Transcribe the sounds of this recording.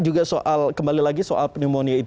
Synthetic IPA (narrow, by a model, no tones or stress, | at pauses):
d͡ʒuɡaso̰ʔalkəmbalilaɡisoʔalpənimoniait̪